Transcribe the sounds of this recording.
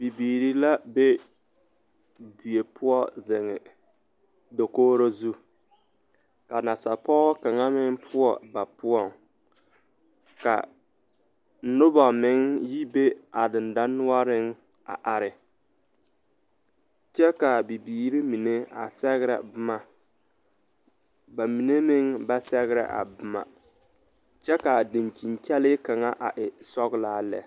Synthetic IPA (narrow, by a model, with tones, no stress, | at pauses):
b̥i˨biː˨ɾi˦la˦be˦ | di˨e˨pʰʊ˦ɔ˦zɪ˨ŋɪ̰˨ | do˨koː˦ɾo˦zu˦ | ka˨na˨sa˨pɔː˦ka˨ŋa˦mɪ˦ŋpʰʊ˦ɔ̰˨ba˨pʊ˦ɔ˨ŋ | ka̰˨ | nʊ˦bɔ˨mɪ˦ŋji˦be˦a˨dɪ˨nda˦nːʊ˦a˦ɾɪ˦ŋ | a̰˨ʔa˨ɾɪ˨ | t͡ʃɛ˦ka˨bi˨biː˦ɾi˦mi˨ne˦a̰˨sɛ˦ɣɾɛ̰˨bʊ˦ma˨ | ba˨mi˨ne˦mɪ˦ŋba˦sɛ˦ɣɪ˦ɾɛ̰˨ʔa̰˨bʊ˦ma̰˨ | t͡ʃɛ˦ka˨dɪ˨nt͡ʃi˨nkɛ˦lɪ˦ka˨ŋa˦ʔa̰˨ʔɪ˨sɔ˦ɣlaː˦lɛ̰˨